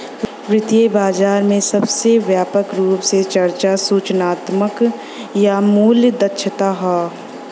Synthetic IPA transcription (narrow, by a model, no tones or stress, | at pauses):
pɾɪt̪iebaːd͡ʒaːɾmẽsɐbseʋjaːpəkɾuːpset͡ʃɐɾt͡ʃasuːt͡ʃnaːt̪mək | jamuːljd̪ɐtːʃʰət̪aɦaː